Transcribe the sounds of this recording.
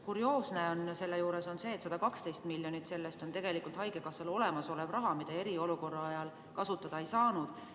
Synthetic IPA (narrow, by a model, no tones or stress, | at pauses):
kuɾio̞ːsne̞o̞nse̞lːejuːɾe̞so̞nse̞ːt̪ːsɑd̪ɑkɑkst̪e̞jst̪milːjo̞nit̪se̞lːest̪o̞nt̪e̞ɡ̥e̞likˑult̪hɑjɡekɑselo̞le̞mɑso̞levrɑɦɑmid̪̥ɑe̞ɾio̞luko̞rːɑɑjɑl | kɑsut̪ːˑɑd̪̥ɑe̞jsɑːnud̪̥